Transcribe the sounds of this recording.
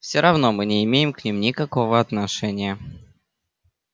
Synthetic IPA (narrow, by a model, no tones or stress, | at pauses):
fsʲoɾɐvno̞mɨnʲɪɪmʲejɪmknʲimnʲɪkɐkovəɐt̪nɐʂɛnʲɪjə